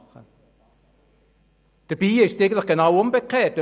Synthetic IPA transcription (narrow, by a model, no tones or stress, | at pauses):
χə | d̥əb̥iːɪʃteɪɡəntləχɡ̥enɑwombəkχeːtːø